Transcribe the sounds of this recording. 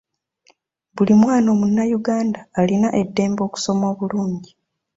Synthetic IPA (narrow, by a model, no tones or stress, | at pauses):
βulimwaːno̞ːmunːajuɡaːndaːlinaʔe̞dːe̞ːmbo̞ːku̥so̞mo̞ːβuluːɲɟi